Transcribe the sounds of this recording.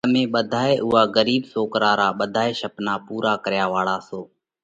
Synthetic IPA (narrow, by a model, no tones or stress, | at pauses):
mẽːɓəd̪ʱaːeːʔʊɦaːɡəɾiːbsoːkɾaːɾaːɓəd̪ʱaːeːʃəpnaːpuːɾaːkəɾjaːʋaːɽaːsoː